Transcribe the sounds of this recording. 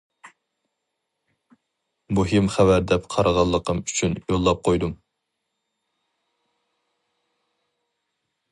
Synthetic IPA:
buɦimχævæɾd̪ɛpqʰɑɾəʁɑlˠːəqʰəmy̥t͡ʃʰynjolˠːɑp̚qʰojd̪um

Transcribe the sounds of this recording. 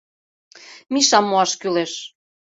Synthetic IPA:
miʃɑmːoɑʃkyleʃ

